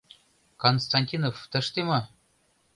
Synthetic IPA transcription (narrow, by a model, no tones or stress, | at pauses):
konst̪ɑnʲtʲinoft̪ɘ̆ʂt̪imɑ